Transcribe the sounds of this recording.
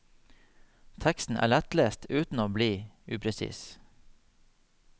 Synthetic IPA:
t̪ʰɛkst̪n̩ʔæ̰ːɭɛt̪leːst̪ʉːt̪n̩oːbliːʉːpʰɾɛsḭːs

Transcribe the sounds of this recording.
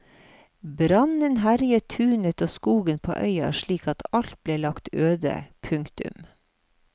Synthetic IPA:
bɾɑnənɦæɾjət̪ʰʉːnət̪oːskuːɡənpʰo̰ːʔœʏɑ̰ʃɭiːkɑt̪ʰɑlt̪̚bleːlɑkt̪øːd̪ə̰pʰʉŋkt̪ʉ̰m

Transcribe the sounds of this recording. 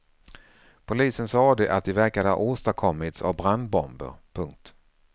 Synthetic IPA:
pʰʊliːsənsɑːd̪ɛʔat̪̚d̪ɪvæɾkad̪əha̰ʔoːst̪aɾkʰɔmːɪt̪sa̰vbɾand̪̚bɔmbə̰ɾpʰɵŋk̚t̪

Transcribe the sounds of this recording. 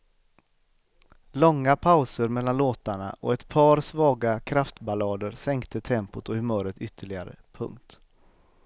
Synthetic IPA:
lɔŋːapʰaʊsəɾmɛlːanloːt̪aɳa̰ʔɔ̰ɛt̪pʰɑːɾsvɑːɡakʰɾaft̪balɑːd̪əɾsɛŋkt̪ʰət̪ʰɛmpʊt̪ʰɔhɵmœːɾət̪ʏt̪ʰːəɭɪɡaɾə̰pʰɵ̰ŋk̚t̪

